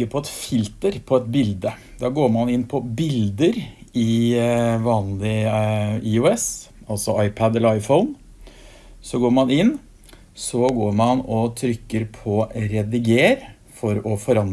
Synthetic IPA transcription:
əɾpʰɔɛt̪fɪlt̪əɾpʰɔɛt̪bɪld̪ə | d̪ɑːɡoːɾmɑnɪnːpʰɔbɪld̪əɾɪ | ʋɑːnlɪ | ɪʊɛsɑlt̪sɔɑɪpʰɑd̪ɛləɾɑɪfəʊn | sɔɡoːɾmɑnɪnː | sɔɡoːɾmɑnɔt̪ʰɾʏkːəɾpʰɔɾɛd̪ɪɡeːɾ | fɔɾɔfɔɾɑn

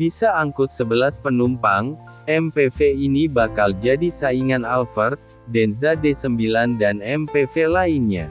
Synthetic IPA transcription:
b̥isaːŋkʊt̪̚səbəlaspənumpaŋ | ɛmpefeinibakald͡ʒadisaiŋanalfərt̪̚ | dɛnzadesəmbilandanɛmpefelainɲa

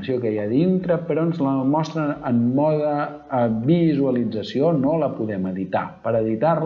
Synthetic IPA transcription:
siokəjaðint̪ɾəpəɾɔənzləmɔst̪ɾəəmːɔðə | βizuəlid͡zəsionoləpuðɛməðit̪a̰pəɾəðit̪aɾ

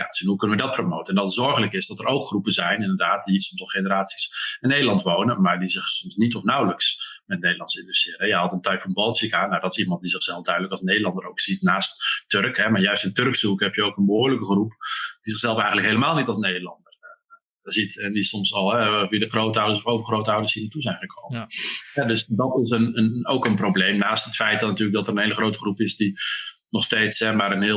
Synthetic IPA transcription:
ja̰sɛnɦukɵnəʋədɑt̚promowtəɛndɑttzɔɹχələkɪsdɔtəɾʔowkχrupəzɛjnɪndəɹdaːtdiəsɔmsɑlˠχejnəɾaːtsisɪnːejdəlɑntʋownəmaːɹdizɪχsɔmsnitɔfnawləksmɛtnejdəlɑntsəɪndɛstɪːɾəɛjəɦɑtəntœɥkfɔnbɑlˠtsikaːnːawdɔtɪ̥simɑnt̚dizɪχsɛlˠfdœɥdələkɑlˠsnejdəlɑndəɾowksitnaːstːørkɦɛmaɹjœɥstɪntørksukɦɛpjəowkənbəɦʊːɹləkəχrupd̥izɪxsɛlˠfɛjɣənləkɦejləmaːlˠnitɑlˠsnejdəlɑ̰ndər | zitɛndisɔmsɑlˠɦɛviədəχrowtəɔwdəsɔfowvəɹχrowtəawdəshiːnətuzɛjnχəkʰowməɦɛdøsdɔtɪsənənowkənprowblejmnaːstətfɛjt̚natyːrlək̚dɔtərənɦejləχrowtəχrupɪsdi | nɔχstejtsɛmaːɾənɦɪ

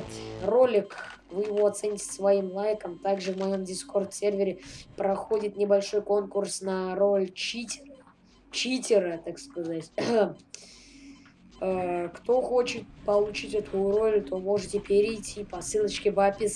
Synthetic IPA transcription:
ro̞lʲɪkvɨjɪvo̞ɐt̪sɛnʲɪtʲɪ̥svɐimlˠajkəmt̪aɡʐɨvmɐjo̞mdʲɪsko̞rt̪sʲervʲɪɾʲɪpɾɐxo̞dʲɪt̪nʲɪbɐlʲʂo̞jko̞nkʊrsnɐro̞lʲt͡ɕitʲ | t͡ɕitʲɪɾət̪akskɐzatʲ | əkt̪o̞xo̞t͡ɕɪt̪̚pəlˠʊt͡ɕitʲɛt̪ʰʊjʊɾo̞lʲt̪o̞mo̞ʐɨtʲɪpʲɪɾʲɪːtʲʰipɐsɨlˠət͡ɕkʲɪbapʲɪs

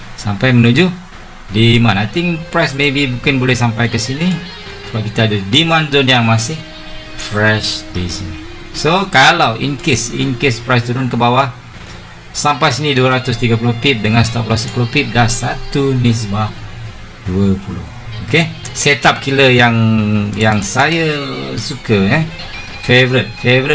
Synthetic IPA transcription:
sampajmənud͡ʒu | dimanajt̪ɪŋpɾajsmebibukanbolɛhsampajkəsini | səbap̚kit̪aːdədimanzɔnjaŋmasɪh | fɾɛʃdisin | sokalawʔḭnkɪsḭnkespɾajst̪uɾʊnkəbawa | sampajsiniduəɾat̪ʊst̪iɡəp̬ulʊhpip̚dəŋãnst̪aplasəpuluhpip̚dahsat̪unis̬ima | duəpulʊ̰h | okeset̪ap̚kiləjaŋjaŋsajəsukəjɛ | fevɾit̪̚fevɾit̪̚

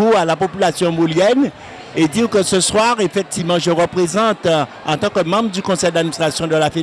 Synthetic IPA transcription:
ualapopylasjɔ̃moljɛn | ed̪iʁkəsəswaʁefɛk̚t̪ivmɑ̃ʒəʁəpχezɑ̃t̪ | ɑ̃t̪ɑ̃kəmɑ̃bʁəd̪ykɔ̃sɛjd̪ad̪minist̪χasjɔ̃d̪əlafe

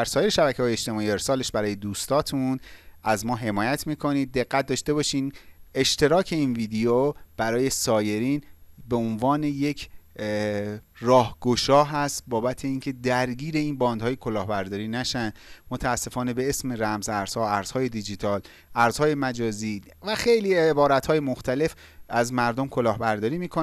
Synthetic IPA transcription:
d̪æɾsɒːjeɾeʃæbæcʰeɒːjeʃt̪e̞mɒːie̞ɾsɒːle̞ʃbæɾɒːje̞d̪uːst̪ɒːt̪ʰunæzmɒːɦe̞mɒːjæt̪ʰmiːkʰo̞niːd̪̚ːe̞ɣːæt̪̚d̪ɒːʃt̪e̞bɒːʃiːne̞ʃt̪ʰe̞ɾɒːcʰeiːnviːd̪eob̥æɾɒːje̞sɒːje̞ɾiːnbe̞onvɒːne̞je̞cʰ | rɒːhɡ̥o̞ʃɒːɦæst̪bɒːbæt̪ʰeiːŋcʰe̞d̪æɾɟiːɾe̞iːnbɒːnd̪hɒːjekʰolɒːhbæɾd̪ɒːɾiːnæʃænd̪mot̪ʰæːsːe̞fɒːne̞be̞esme̞ɾæmzæɾz̥hɒːæɾz̥hɒːje̞d̪id͡ʒit̪ʰɒːl | æɾz̥hɒːje̞mæd͡ʒɒːziː | væxe̞jliːebɒːɾæt̪hɒːjemoxt̪ʰæle̞f | ʔæzmæɾd̪o̞mkʰo̞lɒːhbæɾd̪ɒːɾiːmiːkʰo

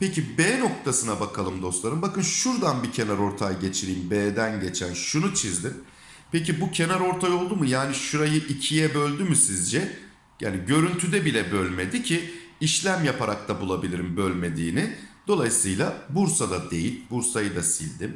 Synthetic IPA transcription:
pecibɛːno̞k̚t̪ʰasɯnabakʰalˠɯmd̪o̞st̪lˠaɾɯmbakɯnʃuɾd̪anbicʰe̞naɾo̞ɾt̪ʰajɟe̞t͡ʃʰiɾijimbeːd̪ænɟe̞t͡ʃʰænʃunut͡ʃʰizd̪im | pʰecibucʰe̞naɾo̞ɾt̪ʰajo̞lˠd̪umɯjaːniʃuɾajɯʔicʰijɛbø̞lʲd̪ymysizd͡ʒɛ | ja̰ːniɟø̞ɾynt̪ʰyd̪ɛbilʲɛbølʲme̞d̪icʰiiʃlʲæmjapʰaɾak̚t̪ʰabulˠabilʲiɾimbølʲme̞d̪iːnɪd̪̥o̞lˠajɯsɯjlˠabuɾsad̪ad̪e̞jilʲbuɾsajɯd̪asḭlʲd̪im

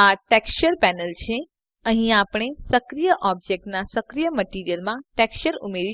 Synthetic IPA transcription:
aʈɛkst͡ʃəɾpɛnəlt͡ʃʰe | əɦĩapɽ̃esəkɾijəʔɔb̚d͡ʒek̚ʈnasəkɾijəməʈiɾijəlmãʈekst͡ʃəɾumeɾi

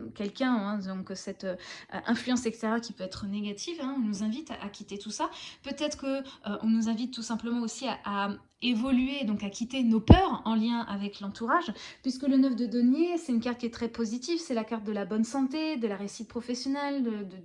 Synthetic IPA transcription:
kʲɛlkʲɛ̃ɛ̃d̪zɔ̃kəsɛt̪ø̰ʔɛ̰̃flyɑ̃sɛkst̪eʁjœʁkʲipøɛt̪χəneɡat̪ʰivɛ̃ɔ̃nuzɛ̃vit̪aʔa̰kʲit̪et̪usapøt̪ɛt̪χə̥kəøʔɔ̰̃nuzɛ̃vit̪ːusɛ̃pləmɑ̃osiaʔa | evɔlyed̪ɔ̃kakʲit̪enopœʁɑ̃ljɛ̃ʔavɛklɑ̃t̪uʁaʒpɥiskələnœfd̪əd̪ɔnjesɛt̪ynkaʁt̪̚kʲiɛt̪χɛpozit̪ivsɛlakaʁt̪̚d̪əlabɔnsɑ̃t̪ed̪əlaʁeysit̪̚pχɔfɛsjɔnɛld̪əd̪ə

